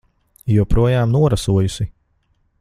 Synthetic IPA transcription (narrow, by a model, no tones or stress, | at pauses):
juɔpɾuɔjaːmnuɔɾasuɔjusi